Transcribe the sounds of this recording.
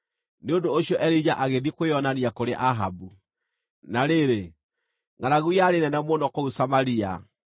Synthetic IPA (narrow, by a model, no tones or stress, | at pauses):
neondoːɕiɔʔɛɾid͡ʑaʔaɣeðikweɔnaniakoɾeʔaɦabu | naɾeɾe | ŋaɾaɣujaɾenɛnɛmonɔkɔusamaɾia̰